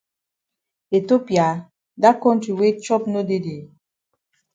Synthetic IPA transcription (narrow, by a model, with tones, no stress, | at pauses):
e˨to˦pja˨ | da˦kɔ˦n˦ti˨we˦t͡ʃɔ˦p̚no˦de˦de˨